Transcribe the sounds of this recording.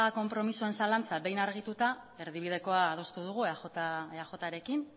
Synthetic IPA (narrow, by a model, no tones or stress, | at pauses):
ako̞mpɾo̞misoe̞nsalant͡saβe̞jnaɾɣ̞it̪ut̪ae̞ɾðiβ̞iðe̞ko̞aːð̞o̞st̪uðuɣ̞ueaxot̪aeaxo̞t̪aɾe̞kin